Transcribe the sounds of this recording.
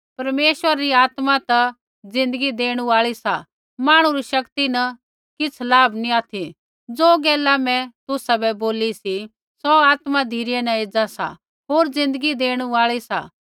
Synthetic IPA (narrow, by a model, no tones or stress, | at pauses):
pɐɾmeːʃwəɾaɾiaːt̪mat̪ɐ | d͡zɪ̃nd̪əɡid̪eːɽ̃ũaːɭisa̰ | maːɽ̃uɾiʃɐkt̪inɐ | kɪt͡sʰlaːbnĩaːt̪ʰi | d͡zoːɡɛːlamɛ̃t̪ʊsabɛboːlisi | sɔaːt̪mad̪ʱiːɾiɛnɐeːd͡zasa̰ | ɦoːɾd͡zɪ̃nd̪əɡid̪eːɽ̃uaːɭisa̰